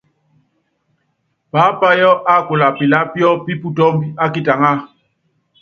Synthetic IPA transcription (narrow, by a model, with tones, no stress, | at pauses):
paː˨˦pa˦jɔ˦ʔa˦˨ko˨la˨pi˨la˦pjɔ˦pi˦pu˨tɔ˦mbi˦a˦ki˦ta˨ŋa˦˨